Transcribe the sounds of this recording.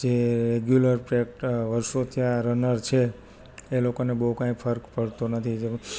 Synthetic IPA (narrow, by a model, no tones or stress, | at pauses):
d͡ʒeɾeɡjuləɾpɾekʈʋəɾʃot̪ʰiaɾənəɾt͡ʃʰeː | lokonebəɦukãĩpʰəɾkpəɽt̪onət̪ʰid͡ʒe